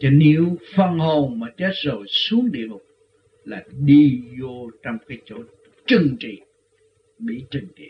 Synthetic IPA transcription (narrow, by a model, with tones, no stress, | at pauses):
t͡ɕɔ˨˧ne˨˦wfə˧ŋho˨˩ŋmaː˨˦˩t͡ɕe˦˥t̚zo˨˩jsu˨˦əŋɗḭ˧˨əlʊ˨˩k͡p̚ | laː˨˩ɗi˧zo˧t͡ɕɔ˧wŋ͡mkaː˨˦jt͡ɕo˧˥ | t͡ɕɨ˨˩ŋt͡ɕḭ˧˨ | ɓḭ˧˨t͡ɕɨ˨˩ŋtḭ˧˨